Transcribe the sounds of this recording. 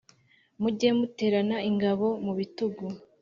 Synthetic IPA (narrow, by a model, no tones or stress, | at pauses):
muɟemute̞ːɾanaiŋɡaβo̞muβituɡu